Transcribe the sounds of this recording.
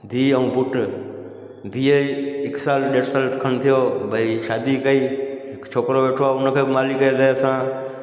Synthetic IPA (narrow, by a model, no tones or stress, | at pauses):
d̪ʱiːəũːbʊʈ | d̪ʱiːəiɪksaːlɗeːʈsaːlt̪kʰənt̪ʰijoːbʱəiʃaːd̪iːkəi | kt͡ʃʰoːkɾoːʋeːʈʰoaːʊnəkʰemaːlikəd̪esãː